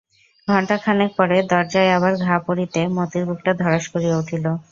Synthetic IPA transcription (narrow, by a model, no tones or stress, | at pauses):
ɡʱɔɳʈakʰaneɾpɔɾed̪ɔɾd͡ʑaeaβaɾɡʱapoɾit̪emot̪iɾbʱuk̚ʈad̪ʱɔɾaʃkoɾieuʈʰilo